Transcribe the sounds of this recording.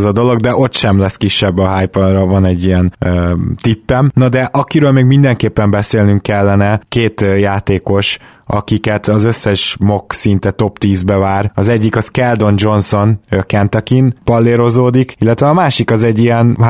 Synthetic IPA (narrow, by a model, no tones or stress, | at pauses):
zɒd̪o̞lo̞ɡd̪ɛʔo̞t̪ʃɛmlɛskiʃːɛbːɒɦaːjpod̪rɒvɒnɛɟːijɛnøt̪ipːɛmnɒd̪ɛʔɒkiɾøːlmeːɡmind̪ɛŋkeːpːɛmbɛseːlnyŋkːɛlːɛnɛkeːt̪jaːt̪eːko̞ʃ | ʔɒ̰kikɛt̪ɒzø̞sːɛʃmo̞ksint̪ɛt̪o̞pt̪iːzbɛvaːɾɒzɛɟːikɒskɛld̪o̞nd͡ʒo̞nso̞nøkɛnt̪ɒkinpɒlːeːɾo̞zoːd̪ikilːɛt̪ʋɛɒmaːʃikɒzɛɟːijɛn